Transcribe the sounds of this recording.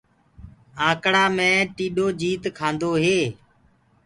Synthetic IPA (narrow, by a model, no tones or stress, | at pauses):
ãːkɽaːmẽːʈiːɗoːd͡ʒiːt̪kʰãːnd̪oːɦeː